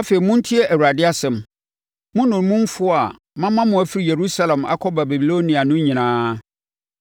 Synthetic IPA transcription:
a˦fe˨i˨mʊ̃˦n̩˦tʰi˦ɛ˦ʔæ˨wu˨ɾa˨dɪ˦a˦sɛ̃˨m | mʊ̃˦nʊ̃˨n˨˦mʊ̃˦m˦fʊ˦a˨ | mã˦mã˦mʊ̃˨æ˨fi˦ɾi˨je˨ɾu˦sa˦lɛ̃˨ma̰˦kʰɔ˦ba˨bɛ˨bi˨lo˦nĩ˨a˨nʊ̃˦ɲĩ˨nãː˦

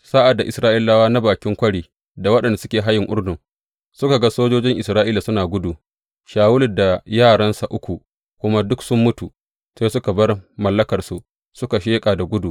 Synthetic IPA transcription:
saː˦ʔa˨dːa˨ʔɪ˨sɾaː˦ʔi˦lːa˦waː˦na˦baː˨kʲɪ˦ŋkʷɐ˦ɽiː˨ | da˨wɐ˦ɗɐ˨nda˨sʊ˦kʲeː˨ɦa˦jɪ˨ŋʔʊ˦rdʊ˨ | sʊ˦ka˨ɡa˦soː˦d͡ʒoː˦d͡ʒɪ˦ŋʔɪ˨sɾaː˦ʔi˦la˨sʊ˦naː˨ɡʷʊ˦du˨ | ʃaː˨wʊ˦lɪ˨da˨jaː˦˨ɽɐ˦nsa˨ʔʊ˦kʷu˨ | kʷʊ˦ma˦dʊ˦ksʊ˦mːʊ˦tu˨ | seː˦sʊ˦ka˨bɐ˦rmɐ˨lːɐ˦kɐ˨rsu˨ | sʊ˦ka˨ʃeː˦kʼaː˨da˨ɡʷʊ˦du˨

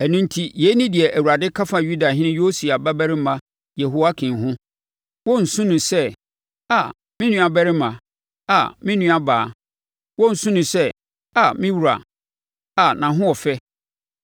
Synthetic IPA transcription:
æ˨nũ˦ntʰi˦je˨˦nĩ˦di˨ɛ˨ʔæ˨wu˨a˨dɪ˦kʰa˦fa˨ju˦da˨ɦɪ̃˦nɪ̃˦jo˦si˨a˨ba˦bæ˦ɾɪ˦mã˨ | je˨ɦo˨a˦kʰɪ̃˨ɦʊ̃˦ | wɔ˦n̩˨sũ˦nʊ̃˨sɛ˦ | a˨ | mɪ̃˦nũ˦a˨bæ˦ɾɪ˦mã˨ | a̰˨mɪ̃˦nũ˦a˦baː˨˦˨ | wɔ˦n̩˨sũ˦nʊ̃˨sɛ˦ | a˨mɪ̃˦wu˨ɾa̰˨ | a˨nã˨ɦʊ̃˦wɔ˨fɛ˦

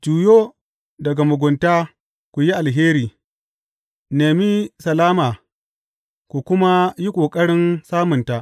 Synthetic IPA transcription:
d͡ʒuː˨joː˦ | dɐ˨ɡa˨mʊ˨ɡʷʊ˨ntaː˦ | kʷu˨ji˦ʔa˨lɦeː˦ɾiː˨ | neː˨mi˦sɐ˨laː˦maː˨ | kʷu˨kʷʊ˦ma˦ji˦kʷʼoː˨kʼɐ˦ɽɪ˦nsaː˦mʊ˨nta˨ʔ

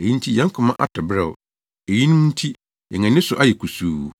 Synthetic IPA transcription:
e˨ji˦n̩˦tʰi˦jɛ̃˦ŋ˦kʰʊ̃˨mã˦ʔa̰˦tʰɔ˨bɾɛ˨w | e˨ji˦nũ˦m˦n̩˦tʰi˦ | ɛ̰˨ŋɛ̃˨nɪ̃˦sʊ˨ʔa˦jɛ˨kʰu˨suː˨

